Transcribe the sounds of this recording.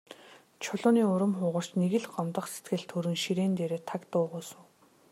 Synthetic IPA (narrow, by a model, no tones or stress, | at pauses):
t͡ɕʰʊɮʊːniːʊɾə̆mχʊːʁə̆r̥t͡ɕneɣɘ̆ɮɢɔmt̪ə̆χset̪ɡɘ̆ɮt̪ʰːɵɾɘ̆ŋʃiɾeːnt̪eːɾeːt̪ʰakt̪ʊːʁʊːsʊ̆w